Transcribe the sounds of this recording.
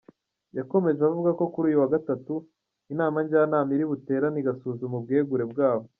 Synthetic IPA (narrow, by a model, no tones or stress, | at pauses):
jako̞me̞ʒeβavuɡako̞kuɾuːjuwaɡatatu | inaːmaɲɟaːnaːmiɾiβute̞ːɾaniɡasuːzumub̚ɡe̞ːɡuɾe̞bɡaːβo